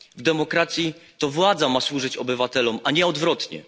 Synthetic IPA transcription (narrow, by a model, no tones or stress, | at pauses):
vd̪ɛmɔkɾat̪sʲjit̪ɔvwad̪zamaswuʐɘt͡ɕɔbɘvat̪ɛlɔmaɲɛɔd̪vɾɔt̪ɲɛ̰